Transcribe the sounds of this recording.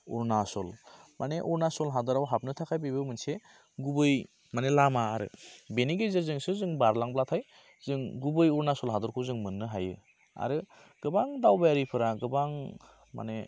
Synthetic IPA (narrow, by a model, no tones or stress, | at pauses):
ɔ̰ɾnasɔlmaneʔɔɾnasɔlɦadɯɾawɦap̚nɯtʰakʰajbibɯmɯnse | ɡubɯj | manelamaːɾɯ̰beniɡezɯɾzɯŋsɯzɯŋbaɾlaŋblatʰaj | z̥ɯŋɡubɯjɔɾnasɔlɦadɔɾkʰuzɯŋmɯnːɯɦajɯ | a̰ɾɯ | ɡ̥ɯbaŋdawbajaɾipʰɯɾaɡɯbaŋ | ma̰ne